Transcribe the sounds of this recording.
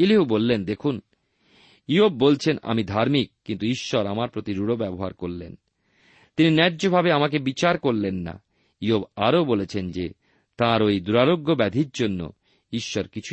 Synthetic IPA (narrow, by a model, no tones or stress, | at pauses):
iliɦubolːend̪ekʰun | iob̚ːolt͡ɕʰena̰mid̪ʱaɾmik̚ːint̪uiʃːɔɾamaɾpɾot̪iɾuɽobɛboɦa̰ɾkoɾlḛn | t̪ininɛɾd͡ʑobʱabeamakebit͡ɕaɾkoɾlenːa̰ | iobaɾobolet͡ɕʰend͡ʑe | t̪aɾojd̪uɾaɾoɡːobɛd̪ʱiɾd͡ʑonːo̰ | iʃːɔɾkit͡ɕʰu